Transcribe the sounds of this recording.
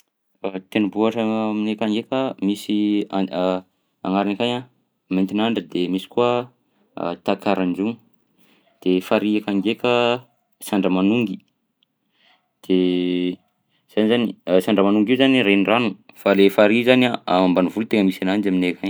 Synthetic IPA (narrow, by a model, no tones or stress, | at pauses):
at̪enubuaʈ͡ʂəminekaŋɡekəmisi | a̰ŋaɾinakaɲa | ment̪inaɳɖ͡ʐəd̪emisi̥kua̰ | t̪akʰaɾanuŋ | d̪̥efaɾiakaŋɡekə | saɳɖ͡ʐəmanuŋɡi | d̪̥e | z̥anizanisaɳɖ͡ʐəmanuŋɡiuzaniɾeniranufalefaɾizanaamambanivult̪eŋəmisanand͡ʒaminekaɲ